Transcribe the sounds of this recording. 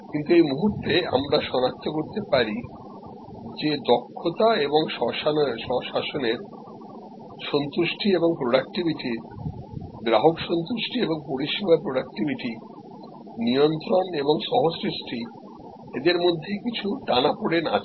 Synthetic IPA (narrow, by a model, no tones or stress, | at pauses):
kint̪uejmuɦuɾt̪ea̰mɾaʃɔnak̚t̪ʰokoɾt̪epaɾi | d͡ʑed̪ɔkʰːot̪aeboŋʃɔʃanʃɔʃaʃoneɾ | ʃɔnt̪uʃʈʰieboŋpɾoɖak̚ʈibiʈiɾ | d̪ɾaɦokʃɔnt̪uʃʈʰieboŋpoɾiʃibapɾoɖak̚ʈibʱiʈi | nijont̪ɾoneboŋʃɔɦosɾiʃʈʰi | ed̪eɾmod̪ʱːekit͡ɕʰuʈanapoɽena̰t͡ɕʰ